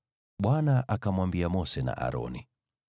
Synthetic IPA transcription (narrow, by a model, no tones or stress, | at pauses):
ɓwanaʔakamwambiamɔsɛna̰ʔa̰ɾɔ̰ni